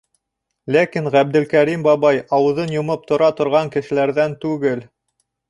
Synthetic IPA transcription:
lækiŋʁæb̚d̪ɘ̆lkæɾimbɑβɑjɑwɤ̆ðɤnjŏmɤp̚t̪ŏɾɑt̪ŏɾʁɑŋkɘ̆ʃɘ̆læɾðænt̪ʉɡɘl

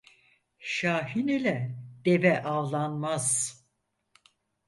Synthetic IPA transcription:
ʃaːɦinilʲɛd̪̥evɛʔavlˠanmaz̥

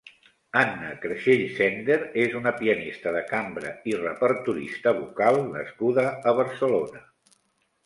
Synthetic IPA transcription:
anːəkɾəʃeʎsɛnd̪eɾezunəpiənist̪əðəkambɾə̰irəpəɾt̪uɾḭst̪əβukalˠnə̰skuðəəβ̞əɾsəlonə

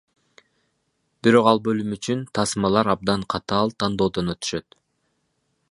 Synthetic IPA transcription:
b̥iɾo̞qɑlˠbø̞lymyt͡ʃynt̪ʰɑsmɑlˠɑɾɑb̚d̪ɑɴqʰɑt̪ɑːlˠt̪ʰɑnd̪o̞ːd̪onø̞t̪y̥ʃø̞t̪

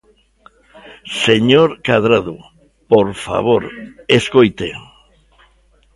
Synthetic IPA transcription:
seɲoɾkaðɾaðu | poɾfa̰βoɾeskojt̪ḛ

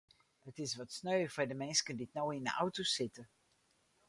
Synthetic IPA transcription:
ətɪsʋɔtsnøːfɛdəmɛnskənditnowɪndə̰ʔawtosɪtə

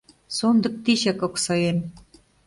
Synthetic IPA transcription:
sond̪ɤ̆k̚t̪iɕækŏksɑjem

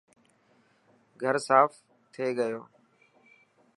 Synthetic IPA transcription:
ɡʱəɾsaːf | t̪ʰeːɠəjoː

